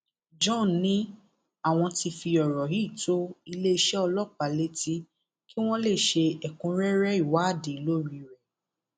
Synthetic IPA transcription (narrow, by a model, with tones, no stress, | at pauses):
d͡ʒɔ̃˦˨nĩ˨˦ | a˦˨w̃ɔ̃˧ti˧fi˧ɔ˨ɾɔ˨ɦi˦˨to˦i˧le˦i˧ʃɛ˦ɔ˧lɔ˦˨k͡pa˨le˦ti˦ | ki˦w̃ɔ̃˦le˦˨ʃe˧ɛ˨kũ˨˦ɾɛ˦ɾɛ˦i˦˨wa˨˦a˦˨de˨i˨˦lo˦ɾi˧ɾɛ˨